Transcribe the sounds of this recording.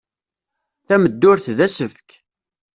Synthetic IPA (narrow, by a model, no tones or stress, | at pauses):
θæməd̪ːʊɾθðæsəfk